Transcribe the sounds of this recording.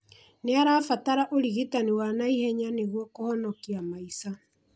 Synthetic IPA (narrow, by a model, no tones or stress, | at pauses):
neaɾaːfataɾaʔoɾiɣitaniwanaihɛɲaneɣwɔkohɔnɔkiamaisa